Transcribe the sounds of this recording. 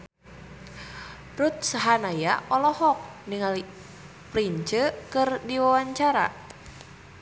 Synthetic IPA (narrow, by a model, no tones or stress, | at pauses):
rut̪̚saɦanajaʔɔlɔhɔk̚niŋali | pliɲt͡ʃəkɨrdiwawaɲt͡ʃaɾa̰